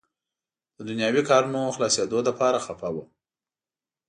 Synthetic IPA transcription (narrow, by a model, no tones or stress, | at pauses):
d̪̥əd̪ʊnjɑwikɑɾunoxlɑsed̪od̪apɑɾaxafawa